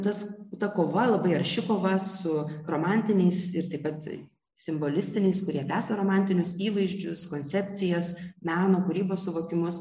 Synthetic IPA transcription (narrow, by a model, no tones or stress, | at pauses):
t̪ɐst̪ɐkoːʋɐlˠɐbɐɪɐɾʲʃʲɪkoːʋɐsʊroːmɑnʲt̪ʲɪnʲɛɪsɪɾt̪ɐɪpɐt̪ | sʲɪmboːlʲɪsʲt̪ʲɪnʲɛɪskʊɾʲiɛt̪ʲæːsɐɾoːmɑnʲt̪ʲɪnʲʊsiːʋɐɪʒʲd͡ʒʲʊskoːnʲsʲɛpʲt͡s̪ʲɪjɛsmʲæːnoːkʊɾʲiːboːssʊʋoːkʲɪmʊs